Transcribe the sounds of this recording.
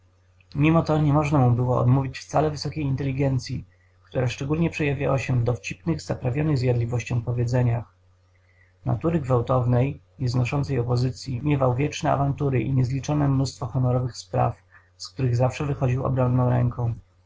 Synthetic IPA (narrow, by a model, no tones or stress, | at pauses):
mʲimɔt̪ɔɲɛmɔʐnamubɘwɔɔ̰d̪muvʲit͡ɕft̪salɛvɘsɔkʲejint̪ɛlʲiɡɛnt̪sʲji | kt̪uɾaʂt͡ʂɛɡulɲɛpʂɛjavʲja̰waɕɛvd̪ɔft͡ɕipnɘɣzapɾavʲjɔnɘɣzjad̪lʲivɔɕt͡ɕɔ̃w̃pɔvʲjɛd̪zɛɲax | na̰t̪uɾɘɡvawt̪ɔvnɛj | ɲɛznɔʂɔnt̪sɛjɔpɔzɘt̪sʲjimʲjɛvawvʲjɛt͡ʂnɛa̰vant̪uɾɘʔḭɲɛzlʲit͡ʂɔnɛmnust̪fɔxɔnɔɾɔvɘxspɾa̰f | skt̪uɾɘɣzafʂɛvɘxɔd͡ʑiwɔ̰bɾɔnːɔ̃w̃ɾɛŋkɔ̃w̃